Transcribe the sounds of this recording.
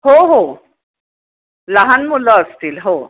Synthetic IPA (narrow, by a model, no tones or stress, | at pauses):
ɦoɦo | laɦanmulːəːst̪iːlɦo